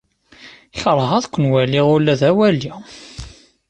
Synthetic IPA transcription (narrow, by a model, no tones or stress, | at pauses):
çɾˤəʁæðkʷːənwælːiʁʊɾlːæðæwælːi